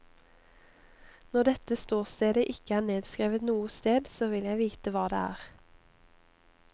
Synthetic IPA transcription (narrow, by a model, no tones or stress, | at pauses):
nɔd̪ɛt̪əst̪oːʁst̪eːd̪əʔɪkəæːneːd̪skʁiːʋət̪nuːəst̪eːd̪soːʋɪljæɪʋiːt̪əʋɑːd̪ḛːæ̰ːʁ